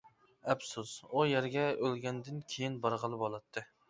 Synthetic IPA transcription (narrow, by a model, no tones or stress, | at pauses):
ɛpsuz̥ujæɾɡʲɛølɡʲɛnd̪ɪnkʲʰejinbɑɾʁəlˠɨbolˠɑt̪ʰːɨ